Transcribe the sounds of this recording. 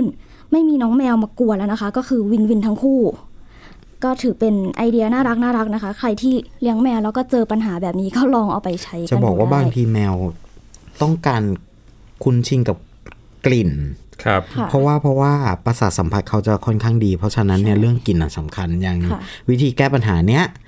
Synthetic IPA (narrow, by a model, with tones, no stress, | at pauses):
n | ma˥˩jmiː˧nɔː˦˥ŋmɛː˧wmaː˧ku˧˩əla˧˥˩na˦˥kʰa˦˥kɔː˥˩kʰɯː˧wi˧nwi˧nt̪ʰa˦˥ŋkʰuː˥˩ | kɔː˥˩t̪ʰɯː˩˦pe˧nʔa˧jdi˧ɐnaː˥˩ɾa˦˥k̚naː˥˩ɾa˦˥k̚na˦˥kʰa˦˥kʰɾa˧jt̪ʰiː˥˩li˦˥əŋmɛː˧wɾɛː˦˥wkɔː˥˩t͡ɕɤː˧pa˧nɦaː˩˦bɛː˨˩p̚niː˦˥kɔː˥˩lɔː˧ŋʔa̰˨˩wpa˧jt͡ɕʰa˦˥jt͡ɕa˨˩˧bɔː˨˩˨kwaː˥˩baː˧ŋt̪ʰiː˧mɛː˧w | t̪ɔ˥˩ŋkaː˧n | kʰu˧nt͡ɕʰi˧ŋka˨˩p̚ | kli˨˩nkʰa˦˧p̚ʰa˧˩ɾɔ˦˥waː˥˩pʰɾɔ˦˥waː˥˩pa˧saː˨˩sa˩˦mpʰa˨˧˩t̪̚kʰa˦˥wt͡ɕa˨˩kʰɔ˥˩nkʰaː˥˩ŋdiː˧pʰɾɔ˦˥t͡ɕʰa˧na˦˥nːi˥˩ɐɾɯ˥˩əŋki˨˩nʔa˨˩sa˨˩˦mkʰa˧nja˧ŋa˧˩wi˦˥t̪ʰiː˧kɛː˥˩pa˧nɦaː˩˦ni˦˥ɐ